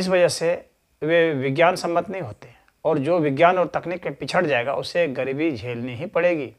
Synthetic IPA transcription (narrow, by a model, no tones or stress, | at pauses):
ɪs̬ʋɐd͡ʒəɦse | ʋeʋɪɡjaːnsɐ̃mːət̪nɐɦĩɦoːt̪eɦɛ̃ | ɔːɾd͡ʒoːʋɪɡjaːnɔːɾt̪ɐknikːepɪt͡ʃʰəɽd͡ʒaːeːɡa̰ʔʊseɡɐɾiːbid͡ʒʱeːlniɦipɐɽeːɡiː